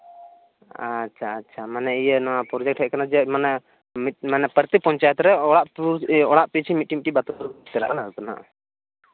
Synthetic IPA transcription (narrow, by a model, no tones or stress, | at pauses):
atːt͡ʃʰaːtːt͡ʃʰamanɛijənɔwapɾɔd͡ʒɛk̚ʈhɛc̚kanad͡ʒɛmanɛ | mit̪̚manɛpəɾt̪ipɔɲt͡ʃajɛt̪ɔɾɛɔɽaʔpuɔɽaʔpit͡ʃʰimit̪̚ʈiŋʈibat̪ɔɾt̪ɛɾa̰ʔkanaɾut̪ana̰ʔ